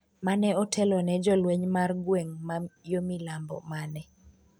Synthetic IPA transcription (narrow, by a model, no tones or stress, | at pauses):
manɛɔtʰɛlɔnɛd͡ʒɔlweɲmarɡweŋmajomilambɔ̰manɛ